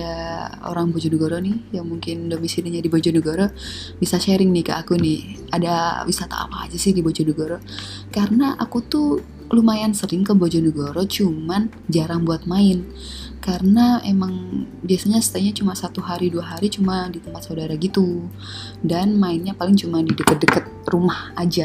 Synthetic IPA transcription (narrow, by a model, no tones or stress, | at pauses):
ao̰ɾaŋbod͡ʒɔnəɡoɾonɪhjaŋmuŋkɪndomisidiɲadibod͡ʒɔnəɡoɾo | bisaʃɛɾɪŋnɪka̰ʔːkunɪha̰dawisat̪a̰a̰pa̰ːd͡ʒasɪhdibod͡ʒɔnəɡoɾo | karənaʔakut̪u | lumajansəɾɪŋkəbod͡ʒɔnəɡoɾot͡ʃuman | d͡ʒaɾaŋbuat̪̚maɪn | kaɾənaemaŋbiasaɲasə̥t̪aɲat͡ʃumasat̪uɦaɾiduaɦaɾit͡ʃumadit̪əmpat̪saudaɾaɡit̪u | danmaɪnɲapalɪŋt͡ʃumadidəkət̪̚dəkət̪̚rumahad͡ʒa